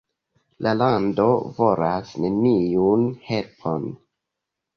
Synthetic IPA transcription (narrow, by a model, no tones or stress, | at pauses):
lʔalando̞vo̞ɾasneniunhe̞lpʰon